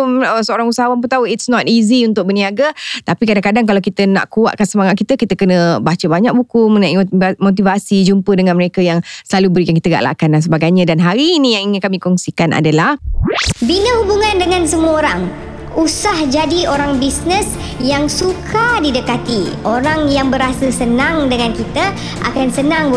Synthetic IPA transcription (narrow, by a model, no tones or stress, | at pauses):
məsəoɾaŋusaɦawamp̬ət̪auitsnɔt̪iziunt̪ʊk̚bəniaɡat̪apikadaŋkadaŋkalawkit̪əna̰ʔkua̰ʔ̚kansəmaŋaʔ̪̚kit̪əkit̪əkənəbat͡ʃəbaɲak̚bukumənaimot̪̬ivasid͡ʒumpədəŋanməɾekajaŋsəlalubəɾikankit̪əɡaʔla̰kandans̬əbaɡajɲãdanɦaɾinĩjaŋiŋɪnkamĩkɔŋsikanʔa̰dalahbinəɦubuŋãndəŋansəmuəoɾaŋ | usahd͡ʒadioɾaŋbisnəs | jaŋsukʰadidəkat̪ioɾaŋjaŋbəɾasəsənãŋdəŋankit̪ə | ʔa̰kansənãŋ